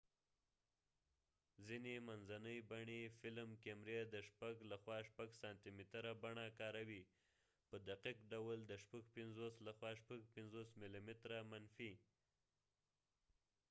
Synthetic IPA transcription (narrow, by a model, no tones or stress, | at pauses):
zinemanzanəjbaɳefɪlmkemɾed̪əʃpaɡlaxwɑʃpaɡsɑnt̪imɪt̪ɾabaɳakɑɾawi | pəd̪aqiqɖawld̪əʃpaɡpɪnzoslaxwɑʃpaɡ̚pɪnzosmilimɪt̪ɾamanfi